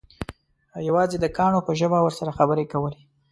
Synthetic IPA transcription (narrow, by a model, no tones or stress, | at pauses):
jawɑzed̪əkɑɳopəʒəbawəɾsaɾaxabəɾekawəle